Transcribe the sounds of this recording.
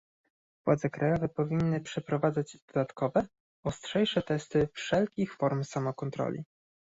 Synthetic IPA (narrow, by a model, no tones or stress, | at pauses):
v̥wad̪zɛkɾajɔvɛpɔvʲinːɘpʂɛpɾɔvad̪zad͡ʑd̪̥ɔd̪at̪kɔvɛ | ɔstʂɛjʂɛt̪ɛst̪ɘfʂɛlkʲixfɔɾmsamɔkɔnt̪ɾɔ̰lʲḭ